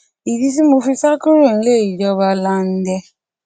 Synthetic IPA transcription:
i˨di˧s̬i˦mo˧fi˧sa˦ku˦ɾo˦˨n̩˦˧le˦˨i˨d͡ʒɔ˧˦βa˧la˧n̩˦dɛ˧

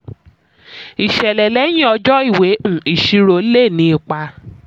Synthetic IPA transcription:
i˨ʃɛ˨lɛ˨lɛ˨˦j̃ĩ˦ɔ˧d͡ʒɔ˦i˦˨we˨˦ũ˦˨i˨ʃi˧ɾo˧˦le˦˨nĩ˧˦i˧k͡pa˧

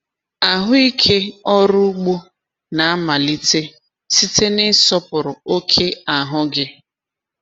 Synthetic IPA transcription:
a˨ɦʊ˦i˦kʰe˦ɔ˦ɾʊ˦ɡ͡bo˦ | na˨a˦ma˨li˦te˦ | si˦te˦nɪ˦sɔ˦pʊ˨ɾʊ˨o˦kʰe˦a˨ɦʊ˦ɡɪ˦

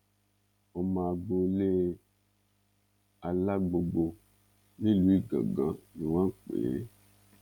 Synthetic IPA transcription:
ɔ˨mã˨ɡ͡bo˨le˦ | a˨la˦ɡ͡bo˨ɡ͡bo˨ | le˦lu˨˦i˦ɡa̰˨ɡã˨˦ne˨wã˦k͡pḛ˨e˦

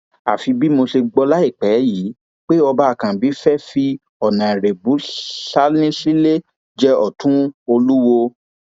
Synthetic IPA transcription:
a˨fi˨˧bi˦mo˧se˧ɡ͡bɔ˧la˦i˦˨k͡pɛ˨˦jiː˨˦ | k͡pe˦ɔ˧ba˦a˨kã˨bi˨˦fɛ˦fi˧ | ɔ˨nã˨ɛ˨ɾe˨bu˨˦sa˦lĩ˦si˦le˦ | d͡ʒɛ˦ɔ̰˨tũ˦o˧lu˦wo˧

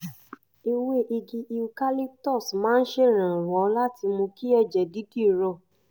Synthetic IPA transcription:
i˧we˦˨ʔi˧ɡi˧ʔi˧u˧ka˦li˦tɔ˦˨smãː˦n̩˦ʃe˦˨ɾ̃ã˨ɾ̃ɔ̃˨˦la˦ti˧mõ˧ki˦ɛ˦˨d͡ʒɛ˨di˨˦di˦˨ɾɔ˧˨

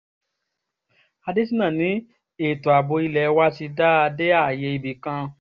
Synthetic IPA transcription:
a˧de˦s̬ĩ˦nã˦˨nĩ˨˦ | e˦˨to˨a˨bo˧i˧lɛ˧˨˦wa˦ti˧da˦a˧de˦a˦˨je˧i˧bi˨kã˧

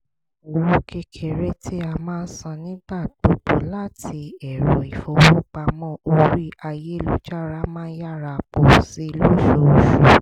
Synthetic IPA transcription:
o˨wũ˦ke˧kʰe˨ɾe˦tʰi˦a˧mãː˦˧n̩˦sã˧nĩ˦ɡ͡ba˦˨ɡ͡b̥o˨ɡ͡bo˨˦la˦tʰi˧ɛ˨ɾɔ˨i˨fɔ˧wũ˦k͡pa˧mɔ̃˦o˧ɾi˦a˧je˦˨lo̰˨˦d͡ʒa˦˨ɾa˦mãː˦ja˦˨ɾa˧˨k͡po˨si˨˦˧lo˦ʃo˧o˧˨ʃu˨

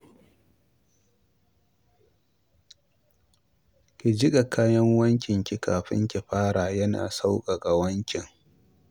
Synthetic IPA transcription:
kʲi˨d͡ʒɪ˦kʼa˨kaː˦jɐ˦ŋwɐ˦ŋkʲɪ˨ŋkʲi˨ka̰ː˨ɸɪ̰˦ŋkʲi˨ɸaː˦ɽaː˨jɐ˦na̰ː˨sa˦wkʼa˨ɡa˨wɐ˦ŋkʲɪ˨ŋ

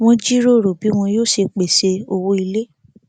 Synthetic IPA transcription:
w̃ɔ̃˦d͡ʒi˦ɾo˦˨ɾo˨bi˨˦w̃ɔ̃˧joː˦˨ʃe˧k͡pe˨se˧o˧wo˦i˧le˦

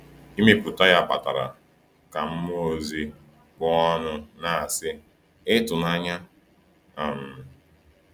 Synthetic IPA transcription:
i˦me˦pʊ˨ta˦ja˦˨pa̰˨ta˨ɾa̰˨ | ka˨m̩˦m˦o˦˨zi˦ | kɔ˦ɔ˦nʊ˦na˨a˨sɪ˦ | ɪ˦tʊ˨na˦ɲa˦ | a˨m˨

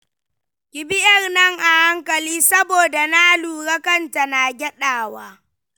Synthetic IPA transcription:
kʲɪ˨bɪ˦ʔɐ˦˨rnɐ˦˨ŋʔa˨ha˦ŋkɐ˨liː˦sɐ˦boː˨da˨naː˦luː˨ɾɐ˦kɐ˦nta˨na˨ɡʲɛ˦ɗaː˨waː˦

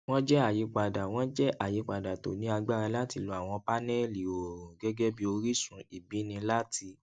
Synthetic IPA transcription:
w̃ɔ̃˦d͡ʒɛ˦a˨ji˨˦k͡pa˨da˨w̃ɔ̃˦d͡ʒɛ˦ʔa˦˨ji˨˧k͡pa˨da˨to˨nĩ˨˦a˧ɡ͡ba˦ɾã˧la˦ti˧lo˧˦a˦˨w̃ɔ̃˧pa˦nɛ˦li˨o˨ɾũ˨ɡɛ˦ɡɛ˦bi˦o˧ɾi˦sũ˨i˨bi˨˦nĩ˧la˦ti˧

